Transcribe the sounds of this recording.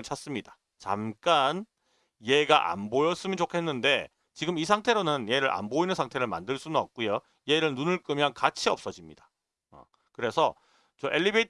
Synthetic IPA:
ɭt͡ɕʰas͈ɯmɲida | t͡ɕa̰mk͈an | je̞ɡaʔa̰nbojʌs͈ɯmint͡ɕokʰe̞nːɯnde̞ | t͡ɕiɡɯmis̬ʰaŋtʰe̞ɾonɯnje̞ɾɯɾʔa̰nboinɯnsʰaŋtʰe̞ɾɯɭma̰ndɯɭs͈ununʌp̚k͈ujo | je̞ɾɯɭnunɯɭk͈ɯmjʌnkat͡ɕʰiʌp̚s͈ʌd͡ʑimɲid̥ḁ | ʌ̰ | kɯɾe̞sʰʌ | t͡ɕʌʔe̞ɭːibe

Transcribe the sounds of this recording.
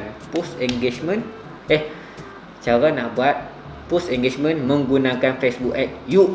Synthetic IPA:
npusɛŋɡet͡ʃmə̃n | ɛh | t͡ʃaɾanaʔbuat̪̚ | pusɛŋɡet͡ʃmə̃nmə̃ŋɡunãkanfɛsbukɛk̚ju

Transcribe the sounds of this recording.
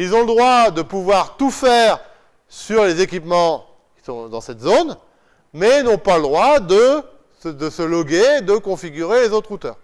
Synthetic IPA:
ilzɔ̃ləd̪ʁwad̪əpuvwaʁt̪ufɛʁ | syʁlezekʲipmɑ̃ | kʲi̥sɔ̃d̪ɑ̃sɛt̪zon | mɛilnɔ̃paləd̪ʁwad̪ə | səd̪əsəlɔɡed̪əkɔ̃fiɡʲyʁelezot̪χut̪œ̰ːʁ

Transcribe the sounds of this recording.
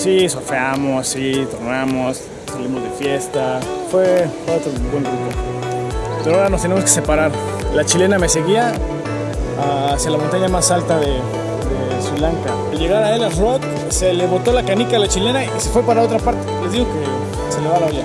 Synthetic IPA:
sisofeamosːit̪oɾnamos | salimo̞zðe̞fje̞st̪afwefweot̪ɾobwenrit̪o | peɾoaoɾanost̪enemo̞ske̞se̞paɾaɾ | lat͡ʃile̞name̞se̞ɣia | asjalamõnt̪aɲamasalt̪aðe | d̪e | swilaŋka | alʝe̞ɣaɾae̞larot̪ | seleβot̪o̞lakanikaelat͡ʃile̞naise̞fwepaɾaao̞t̪ɾapaɾt̪ele̞zðiɣo̞ke̞ | se̞leβalaoʎa

